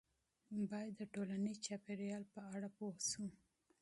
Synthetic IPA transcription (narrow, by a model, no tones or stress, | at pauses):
bɑjad̪ːəʈolanizt͡ʃɑpeɾjɑlpəaɽapohsu